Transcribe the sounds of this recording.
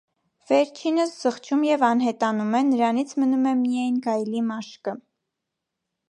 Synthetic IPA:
vɛɾt͡ʃʰinəsz̥əχt͡ʃʰumjɛvɑnɦɛt̪ɑnumɛnəɾɑnit͡sʰmənumɛmijɑjnɡɑjlimɑʃkə

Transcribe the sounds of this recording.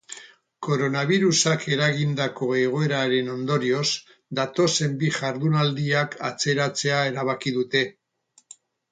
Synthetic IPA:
ko̞ɾo̞naβ̞iɾusake̞ɾaɣind̪ako̞e̞ɣ̞o̞e̞ɾaɾe̞no̞nd̪o̞ɾio̞z | d̪at̪o̞se̞mbiʝaɾðunald̪iakat͡se̞ɾat͡se̞ae̞ɾaβ̞akiðut̪e̞

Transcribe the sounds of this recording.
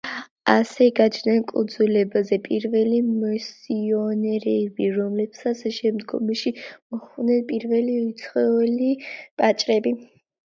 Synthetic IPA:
asɛɡat͡ʃʰnɛnkʼṵd̪zulɛbazɛpʼiɾvɛlimɔsiɔnɛɾɛbiɾɔmlɛb̥sat̪sʃɛmd̪ɡɔ̰mʃimɔχvnɛnpʼiɾvɛliut̪sʰχɛɛlipʼat͡ʃʼɾɛbi

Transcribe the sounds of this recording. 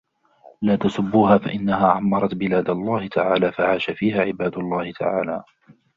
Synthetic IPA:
laːt̪asʊbːuːɦaːfa̰ʔɪnːaɦaːʕamːɑɾˤɑt̪bɪlaːd̪alˤːaːhɪt̪ʰaʕaːlaːfaʕaːʃafiːhaːʕɪbaːd̪ʊlˤːɑːhɪt̪ʰa̰ʕa̰ːlaː

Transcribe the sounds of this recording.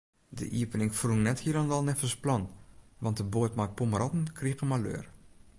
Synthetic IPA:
də̰ʔiəpənɪŋfruŋnɛthiəɾandɔlˠnɛfəsplɔnʋɑntdəboːtmak̚puməɾʔɔtn̩kʰriɣəmalø̰ːr

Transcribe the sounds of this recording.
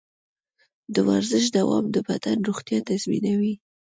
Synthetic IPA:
d̪əwaɾzəʃ̬d̪awɑ̰md̪əbad̪anɾoɣt̪jɑt̪azmḭnawi

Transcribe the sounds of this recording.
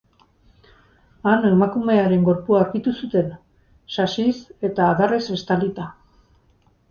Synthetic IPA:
ane̞makume̞aɾe̞ŋɡo̞ɾpuaɾkit̪usut̪e̞n | sasise̞t̪aːðarese̞st̪alit̪a

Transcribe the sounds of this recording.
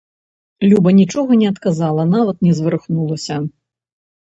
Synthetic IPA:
lʲubɐnʲit͡ʂɔɣɐnʲɛɐt̪kazalˠɐnavɐt̪̚nʲɛzvɨɾɨxnulˠɐsʲɐ

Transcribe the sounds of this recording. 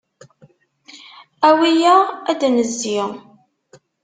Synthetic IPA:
æwijææd̪ænəzːiʁ

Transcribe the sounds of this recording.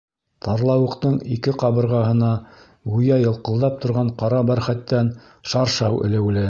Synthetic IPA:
t̪ɑɾlˠɑwɤ̆qt̪ɤɴikɘqɑβɤ̆ɾʁɑɦɤ̆nɑ | wujɑjɤ̆lˠqɤ̆lˠd̪ɑp̚t̪ŏɾʁɑɴqɑɾɑbæɾχæt̪ːæn | ʃɑɾʃɑwʔɘ̰̆lɘ̆wlɘ

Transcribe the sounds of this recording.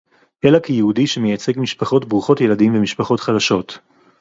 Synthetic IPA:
ʔelakejehudiʃemejat͡se̞ɡmiʃpaχo̞tbʁuχo̞tjeladimvemiʃpaχo̞tχadaʃo̞t

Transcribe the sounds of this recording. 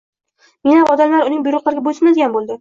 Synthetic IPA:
menhamɒd̪amlaɾʊnɪŋbʊjɾʊqlˠaɾɪɡʲabojʲsɪnad̪eɡʲanbolˠd̪ɪ

